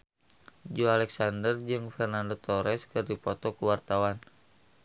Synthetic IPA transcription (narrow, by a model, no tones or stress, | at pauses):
d͡ʒoalɛksandərd͡ʒɨŋfɛrnandot̪ɔɾɛskɨrdipɔt̪ɔkuwart̪awan